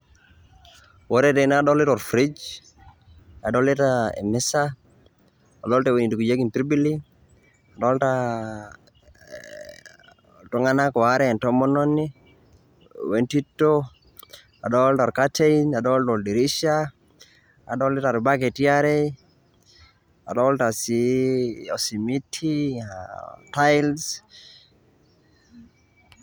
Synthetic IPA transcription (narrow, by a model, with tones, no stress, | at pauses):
wɔ˦ɾɛte˨nadɔ˦lɪ˦tɔ˨ɾfɾi˦d͡ʒ | a˨dɔlɪ˦taḛ˨mɛsa | a̰˨dɔ˦lte˦we˨ni˨duku˨d͡ʒe˦ki˨ntɾi˦bi˦li | a˨dɔ˦lta | tɔ˦ŋana˦kɔ˨aɾɛ˦ɛ˨ntɔmɔ˦nɔnːi | wenti˦tːo | a̰˨dɔltɔ˨ɾkateina˨dɔldɔldi˨ɾi˦ʃa | a̰˨dɔ˦li˦ta˨ɾi˨bak̬e˨tiaɾe | a̰˨dɔlta˨si | ɔ˨si˨mi˦tʰiatajls